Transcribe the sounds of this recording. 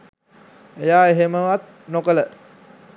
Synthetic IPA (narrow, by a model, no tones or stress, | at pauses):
ejaːeɦeməʋat̪̚ | nokələ